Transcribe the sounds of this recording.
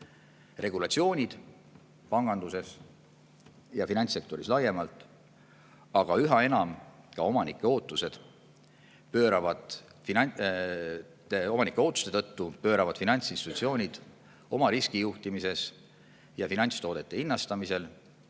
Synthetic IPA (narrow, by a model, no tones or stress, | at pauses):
re̞ɡ̥ulɑt̪sio̞ːnʲid̪̥ | pɑŋɡ̥ɑnd̪use̞s | jɑfinɑnʲt̪se̞k̚t̪o̞ɾislɑje̞mɑlt̪ːˑ | ɑɡ̥ɑyɦɑe̞nɑmkɑo̞mɑnikːˑe̞o̞ːt̪ːˑuse̞d̪̥ | pø̞ːɾɑvɑd̪̥i | o̞mɑnikːˑeo̞ːt̪ːˑu̥st̪e̞t̪ɤ̞t̪ːupø̞ːɾɑvɑd̪̥finɑnʲt̪sinst̪it̪ut̪sio̞ːnʲid̪̥ | o̞mɑɾiskijuht̪imise̞s | jɑfinɑnʲt̪st̪o̞ːd̪e̞t̪ːe̞inːɑst̪ɑmise̞l